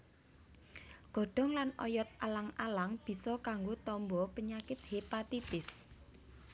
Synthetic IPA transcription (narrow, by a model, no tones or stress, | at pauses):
ɡ̥ɔ̤ɖ̥ɔ̤ŋlanɔ̰jɔt̪̚alaŋalaŋb̥i̤sɔkaŋɡot̪ɔmbɔpəɲakɪt̪̚hepat̪it̪ɪs